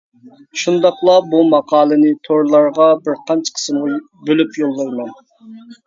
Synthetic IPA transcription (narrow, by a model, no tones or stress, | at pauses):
ʃund̪ɑqlˠɑbumɑqʰɑːlˠɨnɪt̪ʰoɾlˠɑɾʁɑbɪɾqʰɑnt͡ʃʰə̥qʰə̥smʁu | bølypjolˠːɑjmɑn